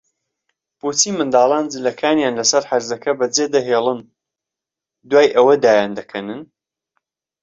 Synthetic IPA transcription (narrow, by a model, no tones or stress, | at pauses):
b̥ut͡siːmɨnd̪aːlˠaːnd͡zɨlɐkʰaːnjaːnlɐsɐɾħaɾzɐkʰɐbɐd͡zeːd̪ɐɦeːlˠɨn | d̪waːjʔɐwɐd̪aːjaːnd̪ɐkʰɐnɨn